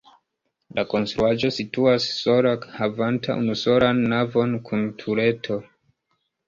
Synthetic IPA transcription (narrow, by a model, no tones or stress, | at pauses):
lako̞nstɾuaʒo̞situasːo̞lahavantʰa̰ʔṵnuso̞lanːavo̞nkʰuntʰuɾe̞tʰo̞